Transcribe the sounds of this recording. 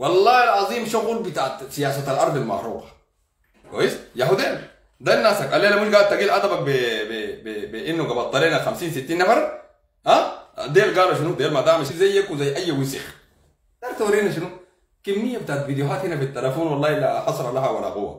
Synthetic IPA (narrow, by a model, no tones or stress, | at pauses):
wɑlˤːɑːhilʕɑzˤiːmʃuɣulbit̪aʕt̪sijaːsat̪alʔɑɾˤd̪ˤilma̰ʕɾṵːqɑ̥ | kʷwa̰jisjaħud̪eːl | d̪anːasakalːeːlːaminɡaːt̪aɡiːlʔat̪ɑbak̚bebebbiʔinːuɡabalt̪ˤːɑliːnaxamsiːnsit̪ːiːnːafɑɾˤ | ʔad̪eːlɡaːluʃ̬inud̪eːlmad̪aːmaʃilzajːakuzajːʔajːwisḭx | d̪aːɾt̪awɾhinaʃ̬inu | kimːijːabit̪aʕat̪vid̪juɦaːt̪hinafit̪ːalafuːnwɑlːɑːilːaħɑsˤɾˤɑlahawalːa̰hṵwːa̰